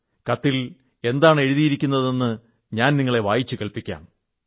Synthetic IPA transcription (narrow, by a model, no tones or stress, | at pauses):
kɐt̪ːil | e̞nd̪aːɳe̞ɻuðijiɾikʲːunːɐðe̞nːɨ | ɲaːnniŋːɐɭe̞ʋaːjit͡ɕːɨkeɭpikʲːa̰ːn